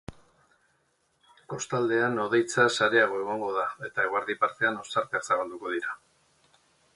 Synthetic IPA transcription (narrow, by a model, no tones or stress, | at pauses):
ko̞st̪ald̪e̞ano̞ð̞e̞jt͡sasaɾe̞aɣ̞o̞e̞ɣo̞ŋɡo̞ðae̞t̪aeɣoaɾðipaɾt̪e̞ano̞saɾt̪aksaβald̪uko̞ðiɾa